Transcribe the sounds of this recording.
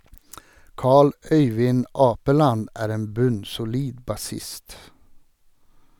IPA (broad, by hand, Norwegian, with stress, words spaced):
ˈkɑːɭ ˈœʏʋɪn ˈɑːpəlɑn ˈæːɾ ˈeːn ˈbʉnsʊˌliːd bɑˈsɪst